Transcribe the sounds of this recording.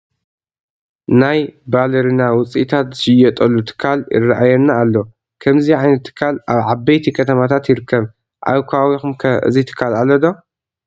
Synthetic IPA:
najbalɐɾinawʊt͡sʼʔit̪ʰat̪zɨʃɪjɐt̪ʼɐlːut̪ʰɨ̥kʰːalɪ̰raʔajɛnːaːlːo | kʰɐmziʕajnɐt̪ʰːɨ̥kʰːalʔaβʕabɐjt̪ʰikʰɐt̪ʰɐmat̪ʰat̪jɪɾɨkʰːɐβ | ʔa̰βkʰawixumkʰɐɨ̰zit̪ʰɨ̥kʰːalalɐd̪o

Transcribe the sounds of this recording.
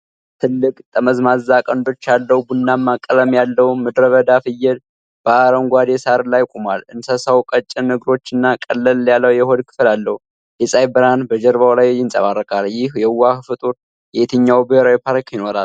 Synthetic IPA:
t̪ʰɨlːɨkʼt̪ʼəməzmazːakʼənd̪o̞t͡ʃːalːəwubunːamːakʼːələmjalːəwmɨd̪ɾəβəd̪afɨjːɛd̪ | b̥əaɾənɡʷad̪ɛsaɾlajkʼumalɨnsəsəwkʼət͡ʃʼːɪnːəɡɾo̞t͡ʃːɨnːakʼəlːəljalːəwjɛhod̪kʰɨ̥flalːəhu | jɛsʼajbɨɾanbəd͡ʒɛɾβawlajjɪnsʼə̰βarːəkʼaljɪhjɛwːakfɨt̪ʼuɾ | jɛt̪ʰɨɲːawbɨɾawipʰaɾkjɪno̞ɾal

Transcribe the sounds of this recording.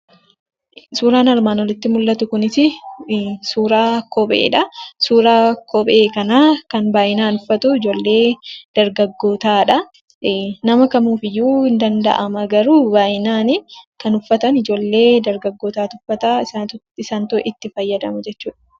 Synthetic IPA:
suːɾaːnɐɾmaːnɔlɪt̪ːɪmʊlːɐt̪ʊkʊnɪsɪ | suːɾaːkɔbḛːᶑɐsuːɾaːkɔbe̞ːkɐnaːkɐnbaːʔɪnaːnʊfːɐt̪ʊɪd͡ʒo̞ːlːe̞ːd̪̥ɐɾɡɐɡːo̞ːt̪aːᶑɐ | nɐmɐkɐmuːfɪjːuːɪnd̪ɐnd̪ɐ̰ʔɐmɐɡɐɾuːbaːjɪnaːnɪkɐnʊfːɐt̪ɐnɪd͡ʒo̞ːlːe̞ːd̪ɐɾɡɐɡːo̞ːt̪aːt̪ʊfːɐt̪aːɪsa | ɪsɐnt̪ʊʔɪt̪ːɪfɐjːɐd̪ɐmɐd͡ʒɛt͡ʃːuːᶑɐ̥

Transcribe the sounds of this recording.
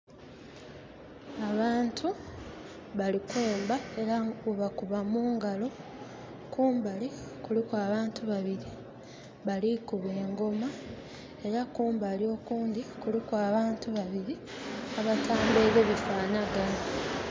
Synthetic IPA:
aβaːntʰu | βalikuːmbae̞ɾauβakuβamuːŋɡalo̞ | kuːmbalikulikwaːβaːntuβaβiɾi | βalikuβe̞ːŋɡo̞ma | e̞ɾakuːmbalio̞ːkuːndikulikwaːβaːntuβaβiɾi | aβatʰaːmbe̞ːβeβifaːnaɡa

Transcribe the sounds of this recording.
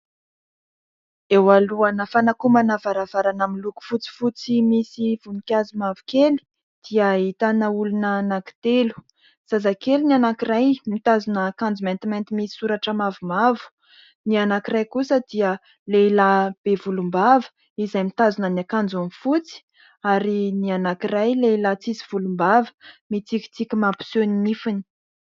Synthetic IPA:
ewaluanəfanakumanavaɾavaɾanamiluku̥fut͡si̥fut͡simisiv̥unikʲazimavu̥keli̥ | d̪̥iait̪anəulunənaki̥t̪elu̥ | z̥azakelinianakirajmit̪azunəkãnd͡zument̪iment̪imisi̥suɾaʈ͡ʂəmavumavu̥ | nianakirajkusəd̪̥iə | leilab̥evulumbavə̥ | izajmit̪azunəniakand͡zunifut͡si̥ | aɾinianakirajleilat͡siziv̥ulumbavə̥mit͡sikʲi̥t͡sikʲimapu̥soninifini̥

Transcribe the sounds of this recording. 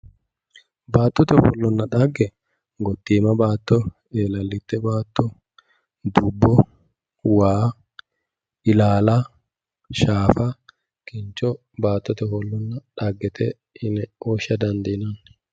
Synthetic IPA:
baːt̪ːɔt̪ɛfɔ̰lːɔnːɐᶑɐɡːɛ | ɡɔt̪ːiːmɐbaːt̪ːɔ | eːlɐlːɪt̪ːɛbaːt̪ːɔ | d̪ʊbːɔ | waː | ɪlaːlɐ | ʃaːfɐ | kɪnt͡ʃːɔ | baːt̪ːɔt̪ɛfɔlːɔnːɐᶑɐɡːɛt̪ʰɛ | ɪnɛoːʃɐd̪ɐnd̪ɪnɐn

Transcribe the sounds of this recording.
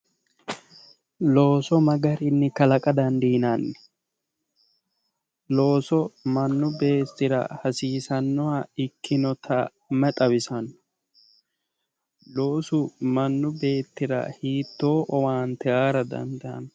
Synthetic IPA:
lo̞ːsɔmɐɡɐɾɪnːɪkɐlɐkʼɐd̪ɐnd̪iːnɐnːɛ̥ | lo̞ːsɔmɐnːʊbe̞ːt̪ːɪɾɐ̰hɐsiːsɐnːɔɐɪkʰːɪnɔt̪ʰɐ | mɛt̪ʼɐwɪsɐnːɔ̥ | lo̞ːsʊmɐnːʊbe̞ːt̪ːɪɾɐ̰hiːt̪ːo̞ːʔɔwaːnt̪ɛʔaːɾɐd̪ɐ̰nd̪ɐn

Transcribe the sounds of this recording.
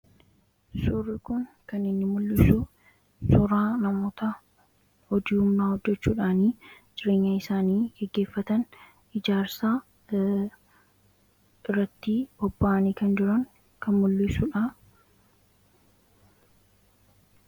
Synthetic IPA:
suːrːɪkʊŋkɐnɪnːɪmʊlːɪsu | sʊɾaːnɐmo̞ːt̪ɐ | hɔd̪iːhʊmnaːhɔdːɛt͡ʃːuːᶑaːniː | d͡ʒɪɾe̞ːɲːaːɪsaːniːɡ̥ɛɡːe̞ːfːɐt̪ɐn | ɪd͡ʒaːɾsaː | ɪrːɐt̪ːiːbɔbːaːʔɐniːkɐnd͡ʒɪɾɐŋ | kɐnmʊlːɪsuᶑa

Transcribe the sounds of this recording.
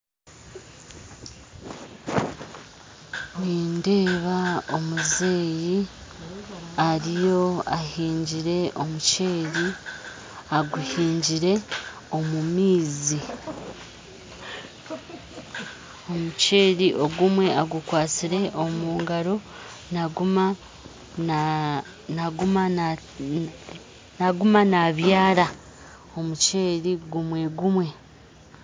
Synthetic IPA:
niːnde̞ːβaomuze̞ːji | aɾijo̞ahiːɲɟiɾe̞ʔomuceːɾi | aɡuhiːɲɟiɾe̞ | o̞mumiːzi | o̞muce̞ːɾiʔo̞ɡumwe̞aɡukwaːt͡siɾe̞ʔomuːŋɡaɾo̞ | naɡuma | naɡuma | naɡumanaβjaːɾa | o̞muce̞ːɾiɡumwe̞ɡumwe̞

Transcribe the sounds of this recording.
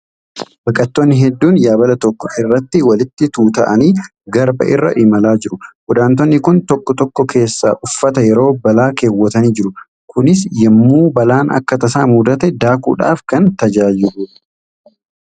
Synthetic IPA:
b̥ɐkʼɐt̪ːonːɪɦɛd̪ːuːnjaːbɐlɐt̪ɔkːɔʔɪrːɐt̪ːɪwɐlɪt̪ːɪt̪uːt̪ɐʔɐniː | ɡɐɾbɐ̰ʔɪrːɐ̰ʔɪmɐlaːd͡ʒɪɾʊɡʊd̪aːnt̪̬ɔnːɪkʊnt̪ɔkːɔt̪ɔkːɔkʰe̞ːsːa̰ʔʊfːɐt̪ɐjɛɾo̞ːbɐlaːkeːwːɔt̪ɐniːd͡ʒɪɾʊ | kʰʊnɪsjɛmːuːbɐlaːnɐ̰kːɐt̪ɐsaːmuːd̪ɐt̪ɛd̪aːkṵːᶑa̰ːfkɐnt̪ɐd͡ʒaːd͡ʒɪlʊ

